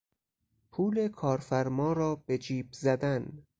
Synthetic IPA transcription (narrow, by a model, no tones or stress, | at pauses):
pʰuːlekʰɒːɾfæɾmɒːɾɒːb̥e̞d͡ʒiːbzæd̪æn